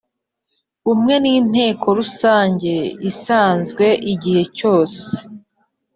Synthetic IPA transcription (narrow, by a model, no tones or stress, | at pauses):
umŋe̞niːn̥e̞ːkʰo̞ɾusaːɲɟe̞isaːnzɡwe̞ʔiɟihe̞co̞ːse̥